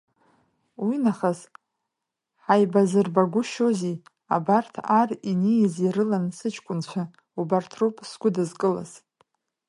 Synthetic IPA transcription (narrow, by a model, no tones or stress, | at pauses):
winaχaz | ħajbazɨrbaɡʷʊʃozi | a̰bartʰarinijziɾɨlansɨt͡ʃʰkʷʼʊnt͡ɕʷʰa | ubartʰrupʼsɡʷʊdɨzkʼɨla̰z̥